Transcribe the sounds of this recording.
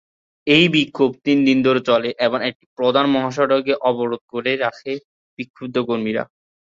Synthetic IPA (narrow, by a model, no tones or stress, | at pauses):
ejbikʰːob̚t̪ind̪ind̪ʱoɾet͡ɕɔleʔeboŋek̚ʈi̥pɾod̪ʱanmɔɦaʃ̬ɔɖoɡeʔɔboɾod̪̚koɾeɾakʰe | b̥ikʰːob̚d̪ʱokoɾmiɾa̰